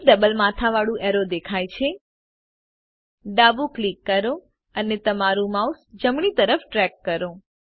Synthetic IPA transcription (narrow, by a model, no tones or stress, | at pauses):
ɖəbəlmat̪ʰaʋaɭũʔeɾod̪ekʰajt͡ʃʰe | ɖabuklikːəɾo | ənet̪əmaɾũmausd͡ʒəmɳit̪əɾəfʈɾɛkːəɾõ